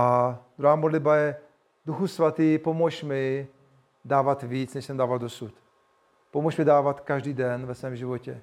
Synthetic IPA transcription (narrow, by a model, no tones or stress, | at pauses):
ad̪ɾuaːmodlɪd̪̚bajɛ | duxusvat̪iːpomɔʃmɪ | daːvat̪viːt͡snɛʃsɛmdaːvald̪osut̪ | pomɔʃmɪdaːvat̪kaʒdiːdɛnvɛsvɛːmʒɪvocɛ